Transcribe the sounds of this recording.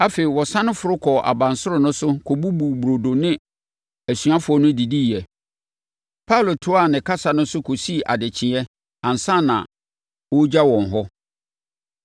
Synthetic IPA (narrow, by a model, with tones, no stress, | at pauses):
a˦fe˨i˨wɔ˨sã˦nʊ̃˦fʊ˨ɾʊ˦kʰɔ˨ʔa̰˨bã˨nsʊ˦ɾʊ˨nʊ̃˦sʊ˦kʰɔ˨bu˦bu˨bu˨ɾo˨do˨nɪ̃˦ | æ˨sɥa˦fʊ˨˦ɔ˦nʊ̃˦di˨di˦˨ɛ˨ | pʰa˦˨lo˨tʰʊ˦a˨nɪ̃˨kʰa˦sa˨nʊ̃˦sʊ˦kʰo˨si˦˨ʔa˨dɪ˨t͡ɕʰɪ̃˨ɛ˦ | ã˨n˨sã˦˨nã̰˨ | wɔ˦d͡ʑa˦wɔ̃˨n˨ɦɔ˦